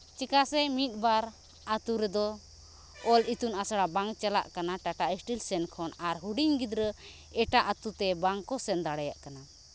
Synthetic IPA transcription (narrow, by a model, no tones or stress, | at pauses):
t͡ʃikasɛmit̪̚ˀbaɾ | at̪uɾɛd̪ɔ | ɔlit̪unasaɽabaŋt͡ʃɛla̰ʔkanaʈaʈaisʈilsɛnkʰɔnaɾɦuɖiɲɡid̪ɾə | ɛʈaʔat̪ut̪ɛbaŋkɔsɛnd̪aɽɛja̰ʔkana